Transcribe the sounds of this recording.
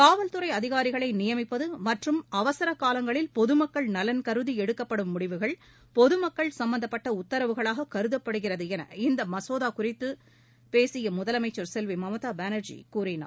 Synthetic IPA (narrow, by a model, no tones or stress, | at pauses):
kaːʋɐlt̪ɯɾɐɪɐðɪɣaːɾɪɣɐɭɐɪnɪjɐmɪpːɐðɯmɐʈrɯmɐʋɐsɐɾɐkːaːlɐŋɡɐɭɪlpɔðɯmɐkːɐɭnɐlɐnkɐɾɯðiɛɽɯkːɐpːɐɽɯmːʊɽɪʋɯɣɐɭ | pɔðɯmɐkːɐɭsɐmbɐnd̪ɐpːɐʈːɐʊt̪ːɐɾɐʋɯɣɐɭaːɣɐkɐɾɯðɐpːɐɽɯɣɪrɐðɯɛnɐ̰ɪnd̪ɐmɐsoːðaːkʊrɪt̪ːɯ | peːsɪjɐmʊðɐlɐmɐɪt͡ʃːɐɾsɛlʋimɐmɐt̪aːbaːnɐɾd͡ʒḭkuːrɪna̰ː